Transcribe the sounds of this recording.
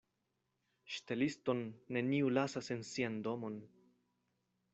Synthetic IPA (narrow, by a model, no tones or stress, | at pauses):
ʃte̞listo̞nːe̞niulasase̞nsiando̞mo̞n